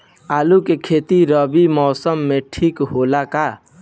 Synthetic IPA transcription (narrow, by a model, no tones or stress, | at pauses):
aːlukekʰeːt̪iɾəbimɔːsəmːẽʈʰiːkɦolaka